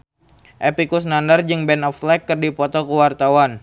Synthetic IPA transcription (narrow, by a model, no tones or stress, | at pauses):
ʔɛpikusnandard͡ʒɨŋbɛnɔflɛkːərdipɔt̪ɔkəwart̪awan